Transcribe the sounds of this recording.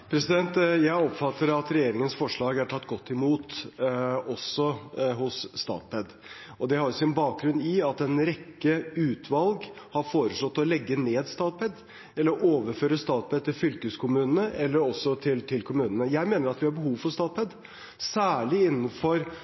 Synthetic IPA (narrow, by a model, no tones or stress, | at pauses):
pʰɾɛsɪd̪ɛnt̪jæɪɔpfɑt̪ːəɾɑt̪ɾɛjeːɾɪŋənsfɔʂɭɑːɡæʈʰɑt̪ːɡɔt̪ːɪmuːt̪ | ɔsɔhʊsːt̪ɑ̰ːt̪̚pʰɛd̪ | ʔɔd̪ɛhɑɾjʊsɪnbɑːk̚ɡɾʉnɪɑt̪ɛnɾɛkːəʉːt̪ʰʋɑlɡ | hɑɾfoːɾəsɔt̪ːɔlɛɡːəneːd̪st̪ɑːt̪̚pʰɛd̪ | ɛlːəɾʔoːʋəɾføːɾəst̪ɑːt̪̚pʰɛd̪̚t̪ɪlfʏlkəskʰʊmʉːnənəʔɛlːəɾɔsːɔt̪ʰɪlt̪ʰɪlkʰʊmʉːnənəjæɪmeːnəɾɑt̪ʋɪhɑɾbəɦuːʋfɔɾst̪ɑːt̪̚pʰɛd̪ | sæːɭɪɪnːənfɔɾ